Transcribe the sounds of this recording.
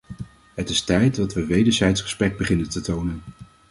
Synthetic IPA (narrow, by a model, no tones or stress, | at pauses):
ɦətɪstɛjtdɑtʋəʋejdəɹzɛjtsχə̥sprɛɡ̚bəχɪnəntətownən